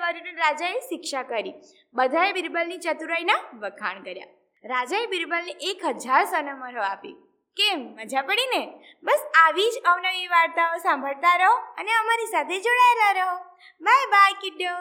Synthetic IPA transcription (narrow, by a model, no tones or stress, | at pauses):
ʋəɾineɾad͡ʒaeʃɪkʃakəɾi | bəd̪ʱaebɪɾbəlnit͡ʃət̪uɾajnaʋəkʰa̰ɳkəɾja̰ | ɾad͡ʒaebɪɾbəlniʔekɦəd͡ʒaɾsənəməɾoapḭ | kemːəd͡ʒapəɽine | bəsaʋid͡ʒəʋnəʋiʋaɾt̪aosãmbʱəɭt̪aɾəɦoəneəmaɾisat̪ʰed͡ʒoɽaelaɾəɦo | bʱajbʱajkɪɖo